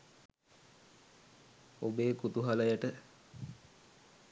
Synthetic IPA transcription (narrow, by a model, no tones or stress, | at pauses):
obeːkut̪uɦaləjəʈə